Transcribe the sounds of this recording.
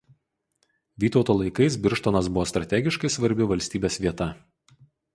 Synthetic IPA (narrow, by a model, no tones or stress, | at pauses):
ʋʲiːt̪ɒʊt̪oːlˠɐɪkɐɪsbʲɪɾʃt̪onɐs̬bʊʋoːst̪ɾɐt̪ʲæˑɡʲɪʃkɐɪsʋɐɾʲbʲɪʋɐlʲsʲt̪ʲiːbʲeːsʲʋʲiɛt̪ɐ